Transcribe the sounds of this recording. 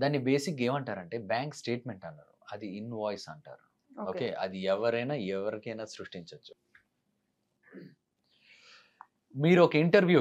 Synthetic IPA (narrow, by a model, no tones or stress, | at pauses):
d̪aːnːibe̞ːsike̞ːmɐɳʈaːɾɐɳʈe̞ːbjaːŋksʈe̞ːʈme̞ɳʈɐnːa̰ːɾṵɐd̪iːnʋaːjsɐɳʈa̰ːɾu | oːkeːʔɐ̰d̪iɛʋɐɾɐjnaːɛʋɐɾikɐjnaːsɾuʂʈiɲt͡ʃɐt͡ʃːu̥ | miːɾuɔkɐiɳʈɐɾʋjuː